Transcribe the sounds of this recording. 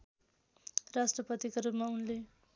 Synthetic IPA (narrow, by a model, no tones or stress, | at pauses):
rasʈrʌpʌt̪ikaɾupmaunle